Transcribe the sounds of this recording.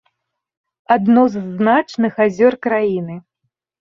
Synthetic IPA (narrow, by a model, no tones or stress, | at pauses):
ad̪nɔzːnat͡ʂnɨxazʲɔrkɾajinɨ